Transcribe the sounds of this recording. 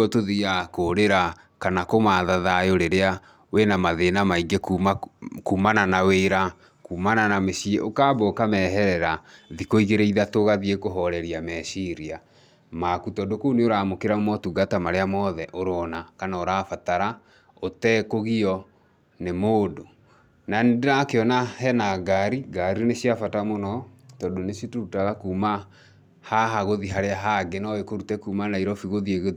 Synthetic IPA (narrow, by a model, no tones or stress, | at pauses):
ɔtoðiakoːɾeɾa | kanakomaðaðajoɾeɾea | wenamaðeːnamaiɡekːakumananaweɾa | kuːmananameɕieʔokaːbɔːkamɛɦɛɾɛɾaðikoiɣeɾeiðatoɣaðiekoɦɔɾɛɾiamɛʃiɾia | makutɔdokouneoɾaːmokeɾamɔtuɡatamaɾeamɔðɛʔoɾɔnakanaoɾaːfataɾa | otɛːkoɣiɔ | nemoːdo | nanedenakeɔnahɛnaɡaɾiɡaɾineɕiafatamonɔtɔdoneʃjitoutaɣakuːma | haɦaɣoðiɦaɾeaɦaɡenɔekoɾutɛkuːmanaiɾɔfiɣoðieɣe